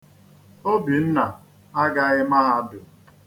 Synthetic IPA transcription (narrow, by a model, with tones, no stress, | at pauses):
o˦bi˨n̩˦na˨ | a˦ɡa˦ɣɪ˦ma˦a˨dʊ˨